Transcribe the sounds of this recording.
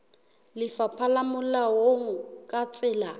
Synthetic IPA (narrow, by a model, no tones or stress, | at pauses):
lɪfapʰalamʊlawoŋ̩kʼat͡sʼɪːla